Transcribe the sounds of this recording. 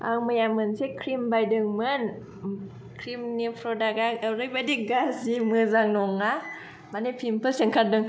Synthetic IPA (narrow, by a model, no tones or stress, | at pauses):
ʔa̰ŋmajamɯnsikʰɾimbajdɯŋmɯn | kʰɾimnipʰɾodaɡaaɾibadik̚ɡasimɯzaŋnoŋa | manipʰimpʰɯsiŋkʰat̚dɯŋ